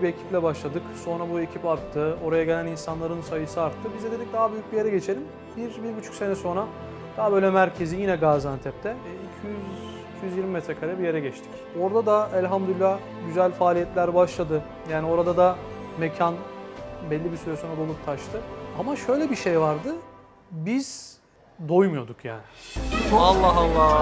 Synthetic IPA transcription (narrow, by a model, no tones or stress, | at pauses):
bie̞cʰi̥plʲɛbaʃlˠad̪ɯkso̞nɾabuecʰipaɾt̪ʰːɯo̞ɾajaɟe̞lʲæninsanlˠaɾɯnsajɯsɯaɾt̪ʰːɯbizɛd̪ed̪ic̚d̪aɦabyjyc̚ʲbijeɾɛɟe̞t͡ʃʰe̞lʲim | biɾbiɾbyt͡ʃʰy̥cʲse̞nɛso̞nɾa | d̪̥aɦabøjlʲɛmæɾcʰe̞zijinɛɡaːzant̪ʰɛp̚t̪ʰɛ | icʰijyz | icʰijyzjiɾmimet̪ʰɾɛkʰaɾajabije̞ɾɛɟɛt͡ʃt̪ʰi̥c | o̞ɾd̪ad̪aɛlʲɦamd̪ylʲilʲːˠa | ɟyzælʲfaːlʲijɛt̪lʲæɾbaʃlˠad̪ɯ | jaːnio̞ɾad̪ad̪a | mecʰanbɛlʲːibisyɾɛso̞nɾad̪o̞lˠup̚t̪ʰaʃt̪ʰɯamaʃø̞jlʲɛbiʃejvaɾd̪ɯ | biz̥ | d̪ojmujo̞d̪ukja̰ːnɪ | alˠːaɦalˠːa